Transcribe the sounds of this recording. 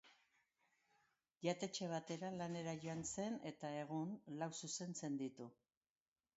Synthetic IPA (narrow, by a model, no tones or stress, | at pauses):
ʝat̪e̞t͡ʃe̞β̞at̪e̞ɾalane̞ɾaʝo̞anse̞ne̞t̪ae̞ɣ̞unlawsuse̞nt͡se̞nd̪it̪u